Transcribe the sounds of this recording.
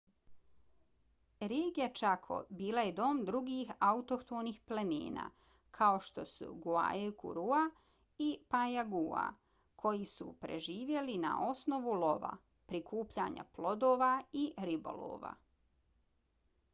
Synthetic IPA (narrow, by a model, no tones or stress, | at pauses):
ɾeːɡijat͡ʃakʰo̞̰biːlˠajed̪o̞ːmd̪ɾuɡiːxaut̪okt̪oːniːxplemḭːna̰ː | kʰaoʃt̪o̞sṵɡua̰jekṵɾua | ipajaɡuːa̰ | kʰo̞jisṵpɾe̞̰ʒiːʋje̞lina̰ʔo̞sno̞ʋulo̞ʋa̰ | pɾikʰuːpʎa̰ɲa̰plo̞d̪oːʋaiɾibo̞̰lo̰ːʋa̰